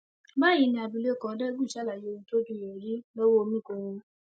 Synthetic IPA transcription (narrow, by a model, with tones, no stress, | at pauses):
ba˦˨jĩ˧˦nĩ˧a˧bi˧le˦˨kã˧˦˧dɛ˦ɡũ˦˨ʃa˨˦la˨je˨˧o˧ũ˧˦to˦d͡ʒũ˦˨jɛ˨ɾi˨˦lɔ˦wo˦o˧mĩ˦˨ko˧wo˧